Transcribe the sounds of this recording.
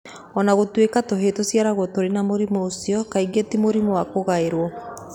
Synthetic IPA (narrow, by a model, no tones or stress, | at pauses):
ɔnaɣotwekatoɦetosiaɾaɣwɔtoɾenamoɾimɔosiɔkaiɡetimoɾimɔwakoɣaeɾwɔ